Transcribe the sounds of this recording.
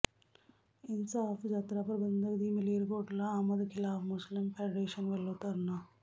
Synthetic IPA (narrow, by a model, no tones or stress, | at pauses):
insaːfd͡ʒaːt̪ɾaːpɾɐbɐnnd̪ɐd̪imileɾɡoːʈlɐaːmɐd̪ɐkilaːfmuslimpʰeɖɾeːʂɐnʋelːɐwt̪aːɾuna